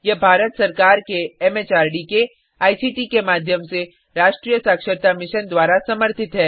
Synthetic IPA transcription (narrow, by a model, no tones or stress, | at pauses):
jebʱaːɾət̪sɐɾkaːɾkeɛmeːt͡ʃaːɾɖike | aːisiːʈikemaːd̪ʱjəmse | ɾaːʃʈɾijəsaːkʃəɾt̪amɪʃənd̪waːɾasɐməɾt̪ʰɪt̪ɦɛː